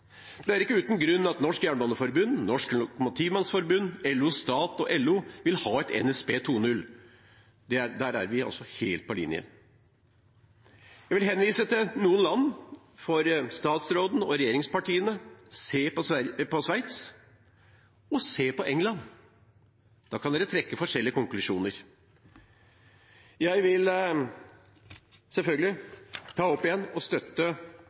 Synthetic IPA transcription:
d̪̥ɛæɾɪkːəʉːt̪nɡɾʉnːɑt̪nɔʂkjæːɳbɔnəfɔɾbʉnːnɔʂklʊkʊmʊt̪ʰiːʋmɑnsfɔɾbʉnːɛlʉst̪ɑːt̪ɔʔɛlːʉːʋɪlhɑːɛt̪ʰɛ̰nɛspeːt̪ʰuːnʉlː | d̪ɛæd̪æːɾæ̰ɾʋɪɑ̰sɔheːlt̪̚pʰɔlɪ̰njə̰ | jæɪʋɪlɦɛnːʋiːsət̪ʰɪlnuːənlɑnː | fɔɾst̪ɑːt̪sɾoːd̪n̩ɔɾɛjeːɾɪŋspɑʈiːənəseːpɔpɔsʋæɪt̪s | ɔseːpɔʔɛŋlɑnː | d̪̥ɑːkʰɑnd̪eːɾət̪ʰɾɛkːəfɔʂɛlːɪəkʊŋklʉʂuːnəɾ | jæɪʋɪl | sɛlfœlɡəlɪt̪ʰɑːɔpːɪjɛnːɔst̪œt̪ːə

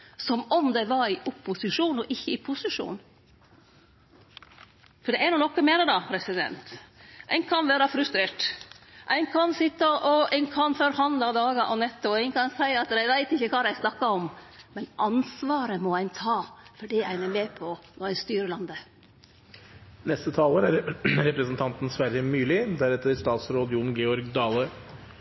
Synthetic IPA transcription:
sɔmɔmd̪ɛʋɑɾɪʔʊpːʊsɪʂuːnɔʔɪçːəɪpʰʊsɪʂṵːn | fɔɖɛæɳuːnɔkːəmeːnəd̪ɑːpʰɾɛsɪd̪ɛ̰nt̪ʔæ̰ɪnkʰɑnʋæːɾɑfɾʉst̪ɾeːʈʔæɪnkʰɑnsɪt̪ːəʔɔæɪnkʰɑnfɔɾhɑnd̪lɑd̪ɑːɡəʔɔnɛt̪ːɔæɪnkɑnsæɪɑt̪d̪æɪʋæɪt̪ɪçːəkʰɑːd̪æɪsnɑkːɑɔmmɛnʔɑnsʋɑːɾəmɔæɪnt̪ʰɑːfɔɖiːæɪnæmeːpʰɔnɔɾæɪst̪yːɾəɭɑnd̪ə | nɛst̪ət̪ʰɑːləɾæɾɾɛpɾəsnt̪ʰɑnt̪n̩sʋæɾjəmʉːlɪd̪æɾɛt̪ːəɾst̪ɑːt̪sɾoːd̪ɪʊːnɡɛɔɾɡd̪ɑːlə

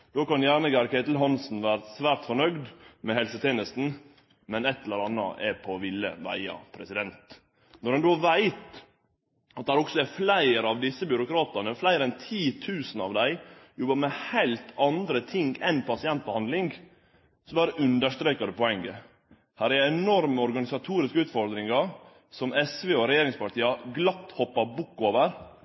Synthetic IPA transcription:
d̪̥oːkɑnjæːɳəɡæɾkʰæɪt̪l̩ɦɑnsn̩ʋæːɾəsʋæːɾt̪fɔɳœɡd̪mɛhɛlsət̪ʰjeːnəst̪n̩ | mɛnɛt̪ːɛləɾɑnːə̰ʔɛpʰɔʋɪlːə̰ʋæ̰ɪɑ̰pʰɾɛsɪd̪ɛnt̪ | nɔɾhɑnd̪oʋæɪt̪ | ɑt̪̚æɾɔksɔɛflæɪɾɑʋd̪ɪsːəbjʏɾʊkɾɑːt̪ənəflæɪɾɛnt̪ʰiːt̪ʰʉːsnɑ̰ʋd̪æɪjɔbɑmɛhæɪlt̪ʰɑnd̪ɾət̪ʰɪŋɡɛnpʰɑsɪɛnt̪ɔhɑnd̪lɪŋɡ | sɔmb̪æːɾəʔʉnd̪əʂt̪ɾeːkəd̪ɛpʰɔɛŋːə | hæːɾæɾɛnɔɾməɔɾɡɑnɪsɑt̪ʰuːɾɪskəʉːt̪fɔɾd̪ɾɪŋɑɾ | sɔmɛsʋeːɔɾɛjeːɾɪŋspɑɾt̪iːəɡlɑt̪ːhɔpːɑɾbʊkːoːʋəɾ

